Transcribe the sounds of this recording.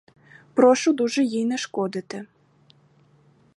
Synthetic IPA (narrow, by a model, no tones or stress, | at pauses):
pɾɔʃʊd̪uʒɛjijnɛʃkɔd̪ɪt̪ɪ